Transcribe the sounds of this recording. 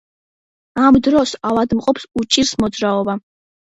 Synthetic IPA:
amd̪ɾɔsavad̪mqʼɔpsut͡ʃʼiɾsmɔd̪zɾaɔba

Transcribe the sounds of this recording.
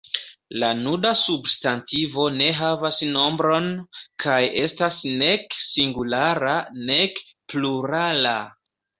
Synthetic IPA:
lanudasubstantivo̞ne̞ɦavasno̞mbɾo̞nkʰajʔe̞stasne̞ksiŋɡulaɾane̞k | pluɾala

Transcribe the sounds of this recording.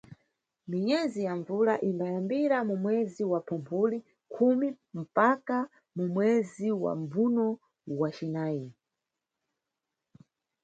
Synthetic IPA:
miɲɛzijaɱvuɾaʔimbajambiɾamumwɛziwapʰumpʰuli | kʰumi | m̩paka | mumwɛziwa̰mbunɔ | wat͡ʃinaːji

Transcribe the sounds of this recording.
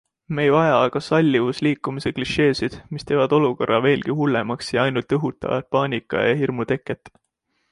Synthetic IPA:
me̞jvɑjɑɑɡ̥ɑsɑlʲːivusliːkːumise̞kliʃe̞ːsid̪̥mist̪e̞ːvɑd̪̥o̞luko̞rːɑve̞ːlɡ̥ihulːe̞mɑksjɑɑjnult̪ˑɤɦut̪ːˑɑ̰vɑ̰t̪̚pɑːnʲikːˑɑ̰jɑɦirmut̪e̞kːˑe̞t̪ːˑ

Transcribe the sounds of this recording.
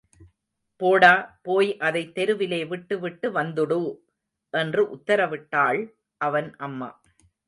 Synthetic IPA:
poːɽaːpoːjʔɐðɐɪt̪ːɛɾɯʋɪleːʋɪʈːɯʋɪʈːɯʋɐnd̪ɯɽɯ | ʔɛndrɯʔʊt̪ːɐɾɐʋɪʈːaːɭ | ʔɐʋɐnʔɐmːɐ̰

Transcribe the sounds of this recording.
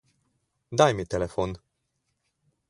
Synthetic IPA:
d̪ajmit̪elefon

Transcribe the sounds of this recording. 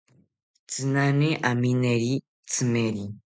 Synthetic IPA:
t͡sinaneʔamineɾi | t͡simeɾi

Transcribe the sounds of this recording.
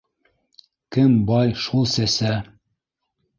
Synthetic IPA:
kɘmbɑjʃulˠsæsæ

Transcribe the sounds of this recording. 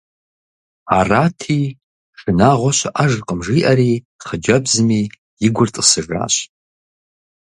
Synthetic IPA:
araːtʰiː | ʂɨnaːʁʷɔɕʷɐ̰ʔaʒqʼəmʐiːʔɐɾiː | χəd͡ʒɐbzɨmiː | jɪɡʷʊrtʼɨsɨʐa̰ːɕ

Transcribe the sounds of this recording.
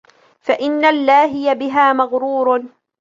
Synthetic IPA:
faʔɪnːalːaːɦɪjabɪɦaːmaɣɾuːɾ

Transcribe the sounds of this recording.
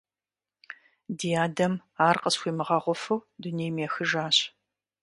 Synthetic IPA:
diaːdɐm | aːrqəsxʷiːmɨʁɐʁʷʊfuwdunejmeːxɨʒaːɕ

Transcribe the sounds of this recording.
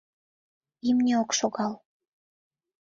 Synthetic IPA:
imnʲeokʃoɣɑl

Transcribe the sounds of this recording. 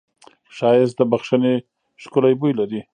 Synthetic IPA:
ʃɑjɪs̚d̪əbaxʃəne | ʃkʊlajbujlaɾi

